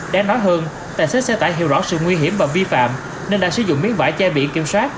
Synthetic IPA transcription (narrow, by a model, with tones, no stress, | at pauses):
ɗaː˧ŋnɔ˨˦jɦəː˧n | t̪aː˨˩jsə˦˥t̚sɛ̰˧˥t̪a̰ː˧˩jɦi˧˩əwzɔ̰˧˥sɨ̰˧˨ŋwi˧ɦi˧˩əmvaː˨˩vi˧fa̰ː˧˨m | ne˧nɗa̰ː˧˥sɨ̰˧˩˦zʊ̰˧˨ŋ͡mmi˨˦əŋva̰ː˧˨˩jt͡ɕɛ˧ɓḭ˧˨ənkḭ˧˩əmswaː˦˥t̚